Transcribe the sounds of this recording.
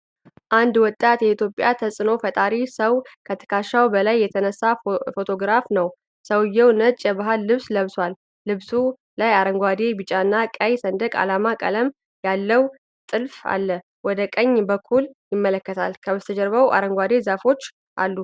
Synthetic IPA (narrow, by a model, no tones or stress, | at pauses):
ʔand̪wɔt̪ʼːat̪jɛit̪jo̞pʼːjat̪ʰəsʼɨno̞fət̪ʼaɾisəwkʰət̪ʰɨ̥kʰaʃːawbəlajːɛt̪ʰənəsːafo̞t̪ʰo̞ɡɾafnəw | səwɨjːɛwnət͡ʃʼjɛbaɦalːɨβsləβswalː | ɨβsu | lajaɾəŋɡʷad̪e̞bɨt͡ʃʼaɨnːakʼəjsənd̪əkʼa̰lamakʼə̰ləm | jalːəw | t̪ʼɨlfa̰lːə | wɔd̪əkʼəɲːbəkʰːuljɪmːələkːət̪ʰalkʰəβəst̪ʰəd͡ʒəɾbəwʔa̰ɾəŋɡʷwad̪e̞zafo̞t͡ʃː | ʔa̰lːu